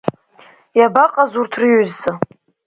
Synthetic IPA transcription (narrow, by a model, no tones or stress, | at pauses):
jabaqʼazurtʰrɨjøzːa